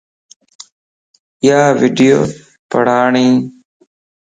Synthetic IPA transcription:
ɪjaːʋiːɖijoː | pəɽ̤aːɳiː

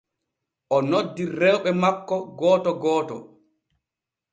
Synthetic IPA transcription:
ʔɔnodːiɾɛwɓɛmakːɔɡɔːtɔɡɔːtɔ̰

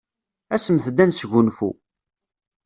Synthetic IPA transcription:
æsəmθd̪ænsʝunfṵ

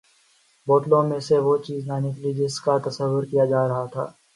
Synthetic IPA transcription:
boːʈlõmẽseʋot͡ʃiːznaːnekelid͡ʒɪskat̪ɐsəʋːʊɾkijad͡ʒaːɾɐɦat̪ʰa̰ː

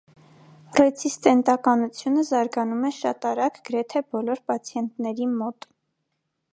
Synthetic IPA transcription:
rɛt͡sʰist̪ɛnt̪ɑkɑnut͡sʰjunəzɑɾɡɑnumɛʃɑt̪ɑɾɑɡɡəɾɛt̪ʰɛbɔlɔɾpɑt͡sʰjɛnt̪nɛɾimɔt̪

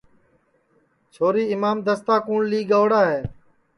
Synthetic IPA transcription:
t͡ʃʰoːɾiːɪmaːmd̪əst̪aːkuːɳliːɡəʋɽaːɦeː

